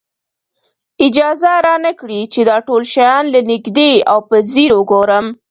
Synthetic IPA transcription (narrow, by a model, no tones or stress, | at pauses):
ɪd͡ʒɑzaɾɑnəkɽit͡ʃed̪ɑʈolʃajɑnlanɪɡd̪eawpəziɾwʊɡoɾəm